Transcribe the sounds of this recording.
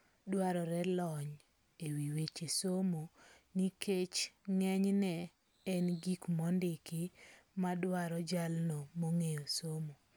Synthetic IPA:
dwaɾɔɾɛlɔɲ | ewiwet͡ʃesomo | nikʰet͡ʃŋɛɲnɛ | ɛnɡikmɔndɪkɪmadwaɾɔd͡ʒalnɔmoŋejosomo

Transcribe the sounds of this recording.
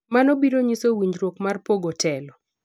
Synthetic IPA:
manobiɾoɲisowiɲd͡ʒɾwokmarpoɡɔtɛlɔ

